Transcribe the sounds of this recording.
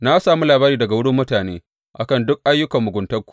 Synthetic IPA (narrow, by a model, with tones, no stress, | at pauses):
na˦saː˨mu˦laː˨baː˦ɾiː˨dɐ˨ɡa˨wʊ˦ɽʊ˦mːʊ˦taː˨nḛː˦ | ʔa̰˨kɐ˦ndʊ˦k̚ʔa˦jːʊ˦kɐ˨mːʊ˨ɡʷʊ˨ntɐ˦rkʷu̥˨